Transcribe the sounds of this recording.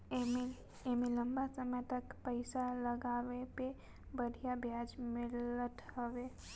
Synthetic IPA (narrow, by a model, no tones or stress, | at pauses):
m | emeləmbasəməjt̪əkpəɪsaləɡaʋepe | bəɽ̤ʱijabʱjad͡ʒmɪlət̪ɦəʋe